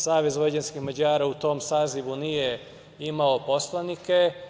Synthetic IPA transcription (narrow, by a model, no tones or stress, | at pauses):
saːʋezʋojd͡ʑenskixmad͡ʑaːɾaut̪o̞ːmsaːziʋunije | imaopo̞slanike